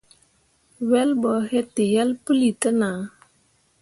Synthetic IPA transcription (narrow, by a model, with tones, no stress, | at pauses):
wɛ˦lbɔ˨he˦ti˨jɛ˦lpə˦li˨tə˦na˨